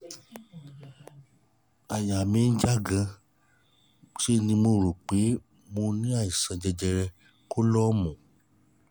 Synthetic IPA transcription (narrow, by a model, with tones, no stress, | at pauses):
a˨ja˨mĩ˧n̩˦d͡ʒa˦ɡã˧ | ʃe˦˧nĩ˧mo˧ɾo˨k͡pe˨˦ | mo˧nĩ˦a˦˨i˨sã˧d͡ʒɛ˧d͡ʒɛ˧ɾɛ˧ | ko˦lɔ˦mɔ̃˨